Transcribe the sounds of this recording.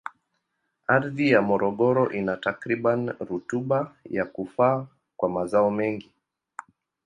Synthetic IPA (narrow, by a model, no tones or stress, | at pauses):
aɾðijamɔɾɔɠɔɾɔʔinatakɾiɓanɾutuɓajakufaː | kwamazaɔmɛŋɡi